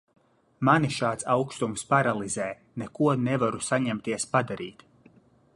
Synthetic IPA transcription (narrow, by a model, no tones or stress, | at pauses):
maniʃaːt̪sawkst̪umspaɾalˠizɛː | nekuɔnɛvaɾusaɲɛmt̪iɛspad̪aɾiːt̪